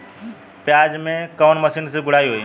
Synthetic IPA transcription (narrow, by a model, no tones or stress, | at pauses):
pjaːd͡ʑmẽkɔːnmɐsiːnsẽɡʱʊɽ̤aːiɦoi